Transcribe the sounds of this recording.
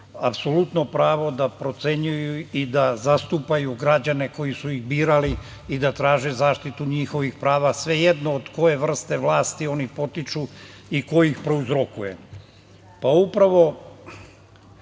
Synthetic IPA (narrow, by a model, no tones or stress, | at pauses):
apso̞lut̪no̞pɾaːʋo̞d̪apɾo̞t̪se̞ɲujuid̪azast̪upajuɡɾad͡ʑane̞ko̞jisuiɣbiːɾali | id̪at̪ɾaːʒezaːʃt̪it̪uɲixo̞ʋixpɾaːʋasʋe̞jed̪no̞ːd̪ko̞je̞ʋr̩st̪e̞ʋlˠaːst̪io̞nipo̞t̪it͡ʃu | ikoixpɾe̞uzɾo̞kujḛ | paupɾaʋo̞